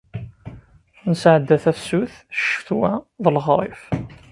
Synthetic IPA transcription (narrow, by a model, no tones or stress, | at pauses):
nsʕəd̪ːæθæθsuθʃəfθwæðəlʁɾˤɪ̰f